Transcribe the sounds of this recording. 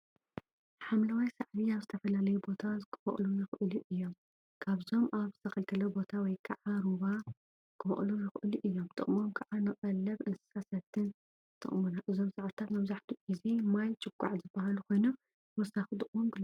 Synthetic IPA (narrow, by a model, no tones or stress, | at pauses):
ħamlawajsaʕdiaβzɨt̪ʰɐfɐlalɐjubo̞t̪ʰakʰɨ̥fɐ̰ʔʼlujɨxʔɨluʔɨjːo̞m | kʰaβzo̞mʔaβzɨt̪ʰɐkɐlt̪ʰɐlɐbo̞t̪ʰawɔjkʰɐʕaɾuβa | kʰɨfɐ̰χʼlujɨxʔɨluʔɨjːo̞mt̪ʼɨ̰χʼmo̞mkʰɐʔanɨχʼɐlːɐβɨnsasɐt̪ʰːɨn | t̪ʰʼɨ̰χʼmunaʔɨzo̞msaʕt̪ʰat̪mɐβzaħt̪ʰuʔizemajt͡ʃʼɨkʼːa̰ʕzɨbːaɦalukʰo̞jnu | wɐsaxd̪ɨχʼwomɡɨl